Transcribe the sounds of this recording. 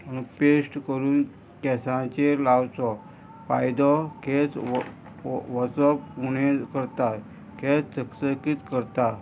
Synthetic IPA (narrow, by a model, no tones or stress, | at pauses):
məñũpesʈkəɾuːn | kɛsãt͡ɕelawt͡sɔ | pajd̪ɔkʰes | ʋɔt͡sɔpuned͡zkəɾt̪aɾ | kʰest͡səksəkiːt̪kəɾt̪aɾ